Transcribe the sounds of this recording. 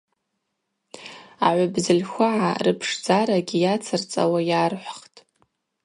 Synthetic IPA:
a̰ʕʷʊbzɨlʲxʷaʕa̰rɨpʰʂd͡zaɾaɡʲijat͡sʰɨrt͡sʼa̰wajarħʷχtʼ

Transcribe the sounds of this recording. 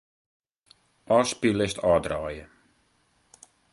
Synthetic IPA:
ʔɑːspilɪstʰɑːdraːjə

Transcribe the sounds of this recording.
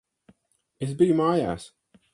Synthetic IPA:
ɪsbiːmaja̰s

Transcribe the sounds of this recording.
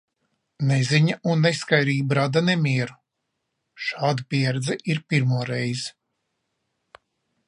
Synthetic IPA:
nɛzʲiɲaunːɛskajɾiːbɾad̪anɛmʲiɛɾu | ʃaːd̪apʲiɛɾd̪zɛʔiɾpʲiɾmuɔɾɛjz̥

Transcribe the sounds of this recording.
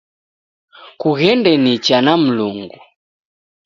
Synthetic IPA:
kuɣɛndɛnit͡ʃanam̩luŋɡu

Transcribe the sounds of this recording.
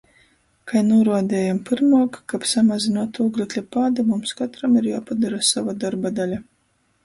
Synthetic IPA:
kajnuːɾuɔd̪ʲɛːjampɨɾmaːkkapsamazinuɔt̪uːɡlʲiklʲipaːd̪amumskat̪ɾamiɾjaːpad̪aɾasavad̪aɾbad̪alʲa

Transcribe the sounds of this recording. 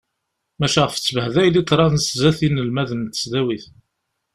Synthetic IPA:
mæʃæʁəfət͡sːəvəhðæjlit̪ːɾˤɑnszæθinːəlmæðənt̪ə̥sd̪æwiθ

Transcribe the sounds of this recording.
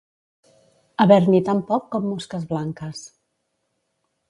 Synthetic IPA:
əβɛɾnit̪ampɔkːɔmːuskəzβlaŋkəs

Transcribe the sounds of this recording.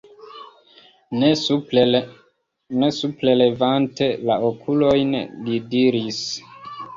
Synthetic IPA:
ne̞suple̞le̞vante̞laokʰulo̞jnlidiɾis

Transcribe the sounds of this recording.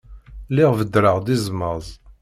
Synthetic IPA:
lɪʁvəd̪ɾəʁd̪izˤməzˤ

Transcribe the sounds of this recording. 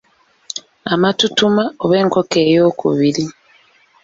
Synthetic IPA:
amatutumaoβe̞ːŋkoke̞ːjo̞ːkʰṵβiɾi

